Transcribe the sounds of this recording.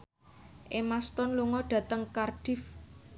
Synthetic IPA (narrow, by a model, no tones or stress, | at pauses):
ʔemast̪ɔnluŋɔɖ̥ä̤t̪əŋkarɖ̥ɪ̤f